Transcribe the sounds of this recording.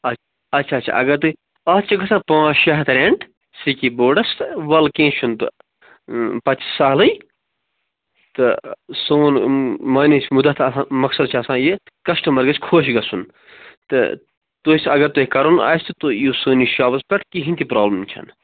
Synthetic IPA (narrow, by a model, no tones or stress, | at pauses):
ɐt͡ʃ | ɐt͡ʃʰaːt͡ʃʰa̰ʔɐɡɐɾt̪u | ɐːt͡ʃʰɐɡɐsapãːʃɐɦt̪ɾeɳʈ | sikiboːɖɐst̪ɨʋɐlkẽːt͡ʃʰunt̪ɨ̰ | pɐt͡ʃi̥saːlɐj | t̪ɨsoːnmɐːnet͡ʃmud̪ɐt̪ʰɐ̃mɐksɐd̪t͡ʃʰɐsãːje | kɐsʈɐmɐɾɡɐt͡ʃʲkʰoːʃ̬ɡɐsun | t̪ɨ̰ | t̪oisɐɡɐɾt̪uːikɐɾuna̰ːjst̪ɨt̪ojoːsuːniʃaːbɐzpʲɐʈʰkiɦint̪ʰipɾaːblɐmt͡ʃʰɐ̰n